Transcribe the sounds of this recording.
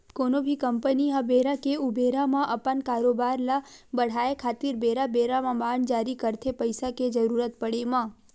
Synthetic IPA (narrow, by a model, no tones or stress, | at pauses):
konobʱikəmpəniɦabeɾakeubeɾamãʔəpənkaɾobaɾlabəɽ̤aekʰaːt̪iɾbeɾabeɾamãbaɳd͡ʒaɾikəɾt̪ʰepəjsaked͡ʒəɾuɾət̪pəɽemã